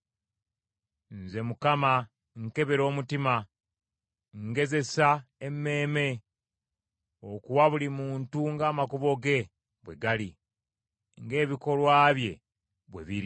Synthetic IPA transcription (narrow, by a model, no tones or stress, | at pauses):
nze̞mukama | ŋke̞βeɾo̞ːmutima | ŋɡe̞ze̞saemːe̞ːme̞ | okuwaβulimuːntuŋɡaːmakuβo̞ɡe̞ | βwe̞̰ɡali | ŋɡe̞ːβiko̞lwaːβje̞ | βwe̞̰βiɾi